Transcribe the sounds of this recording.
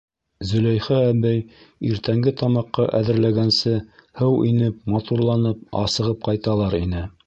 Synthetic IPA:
zɵ̆læjχææbæjiɾt̪æŋɡɘt̪ɑmɑqːɑʔæðɘ̆ɾlæɡænsɘhɤwinɘp̚mɑt̪uɾlˠɑnɤp̚ɑ̰sɤ̆ʁɤp̚qɑjt̪ɑlˠɑɾinɘ

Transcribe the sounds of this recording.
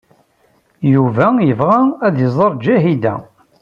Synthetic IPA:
juvæjəvʁææðjəzˤɑɾˤd͡ʒæɦid̪æ̰

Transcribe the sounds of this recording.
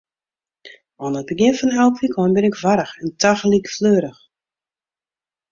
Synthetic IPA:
ʔɔnət̚bəɡjɪnfɔnɦɛlˠpfikʰɔnbɪnɪkvaɾəxɛntʰaxlikfløːɾəx

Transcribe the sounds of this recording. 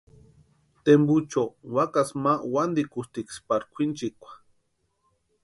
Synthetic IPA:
t̪embut͡ʃowakasmawand̪ikust̪ikspaɾkʷʰint͡ʃikʷḁ

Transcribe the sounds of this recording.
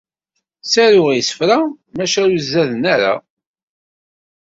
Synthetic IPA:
sæɾʊʁjsə̥fɾa | mæʃæjuzːæðnæɾa̰

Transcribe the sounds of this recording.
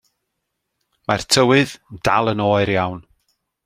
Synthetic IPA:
martʰəwɨðnd̥a̰lˠənoːɨɾjawn

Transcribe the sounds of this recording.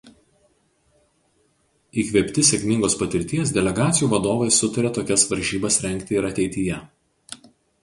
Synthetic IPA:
iːkʋʲɛːpʲt̪ʲɪsʲɛkʲmʲɪŋɡoːspɐt̪ʲɪɾʲt̪ʲiɛs̬d̪ʲɛlʲɛɡɑːt̪sʲɪjuːʋɐd̪oːʋɐɪsʊt̪ɐɾʲɛt̪oːkʲɛsʋɐɾʲʒʲiːbɐsɾʲɛŋʲˑkt̪ʲɪɪɾɐt̪ʲɛɪt̪ʲɪjɛ

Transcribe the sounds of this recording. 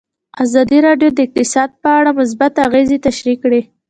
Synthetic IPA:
azɑd̪iɾɑɖjod̪əɪq̚t̪ɪsɑd̪̚pəaɽamʊs̬bat̪aɣezet̪aʃɾikɽe

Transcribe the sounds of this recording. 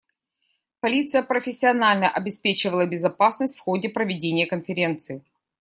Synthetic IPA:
pɐlʲit̪sɨjəpɾəfʲɪsʲːɪɐnalʲnəʔɐbʲɪspʲet͡ɕɪvəlˠəbʲɪzɐpasnəsʲtʲfxodʲɪpɾəvʲɪdʲenʲɪjəkənfʲɪɾʲe̞nt̪sɨɪ

